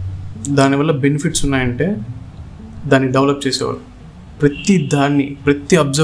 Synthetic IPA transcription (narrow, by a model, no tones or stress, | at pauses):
d̪aːniʋɐlːɐbe̞nipʰiʈsunːaːjɐɳʈe̞ː | d̪aːnːiɖeʋlɐp̚ːt͡ʃeːsɛ̰ːʋa̰ːɭu | pɾɐt̪id̪ʱaːnːipɾɐt̪iɐbzɐ